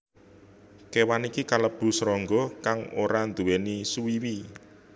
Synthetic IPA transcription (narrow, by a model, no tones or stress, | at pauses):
kewanikikaləb̥ṳsɾɔŋɡɔkaŋoɾand̪uwenisuwiwi